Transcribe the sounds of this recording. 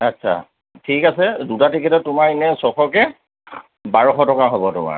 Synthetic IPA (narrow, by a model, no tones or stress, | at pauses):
atːsʰa̰ | tʰikasɛdutatikitɔtʊmaɹinɛsɔxʰɔkɛ | baɹɔxɔtɔkaɦobɔtʊ̰ma̰ɹ